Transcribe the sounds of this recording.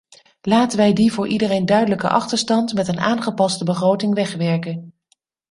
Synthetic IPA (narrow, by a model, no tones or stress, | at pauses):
laːtənʋɛjdivʊːɹʔidərejndœɥdələkə̰ʔɑ̰χtəɹstɑntmɛtənaːnχəpɑstəbəχrowtɪŋʋɛχʋɛɹkən